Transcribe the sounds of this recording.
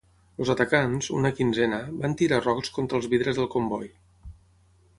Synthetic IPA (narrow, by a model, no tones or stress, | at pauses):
lˠzət̪əkanzṵnəkinzɛnəbant̪iɾarɔkskont̪ɾəːlˠzβiðɾəzðəlˠkombɔj